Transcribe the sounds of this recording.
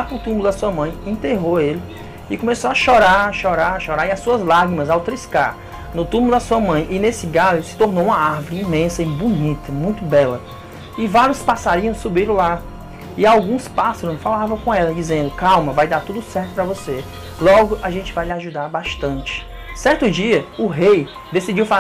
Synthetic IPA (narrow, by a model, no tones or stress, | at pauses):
apɾʊt̪ũmbulʊd̪asuɐmɐ̃j̃ẽnt̪eɦoelɪ | ɪkõmesoaʃɔɾaʃɔɾaɾaʃɔɾaɾɪasuɐzlaɡɾimɐzawt̪ɾiska̰ɾ | nʊt̪ũmbulʊd̪ɐsuɐmɐ̃j̃ʔɪnesɪɡalʊsɪ̥t̪oɾnoũmɐaɾvʊɾɪimẽsɐibunit̪ɐmũj̃t̪ʊbɛlɐ | ɪvaɾjʊspasaɾiɐ̃w̃subilʊla | ɪawɡũspasɐɾõfalavɐ̃w̃kõɛlɐd͡ʒizẽnd̪ʊkawmɐvajd̪aɾt̪ud̪ʊsɛɾt̪ʊpɾɐvose | lɔɡʊʔaʒẽnt͡ʃɪvajlɪaʒud̪aɾbaʃt̪ɐ̃nt͡ʃɪ̥ | sɛɾt̪ʊd͡ʒiɐʊɦej | d̪esid͡ʒiwfa